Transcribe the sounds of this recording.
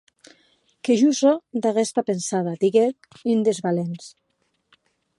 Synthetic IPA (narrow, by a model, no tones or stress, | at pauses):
keʒuzɔd̪aɣest̪apensaðad̪iɣet | ind̪ezβalens